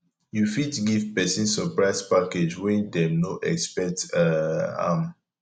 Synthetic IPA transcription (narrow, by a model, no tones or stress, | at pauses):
jufitɡivpɛsɔ̃nsɔpɹaɪspaked͡ʒwɛ̃ndɛnoʔɛ̰kspɛtaa̰m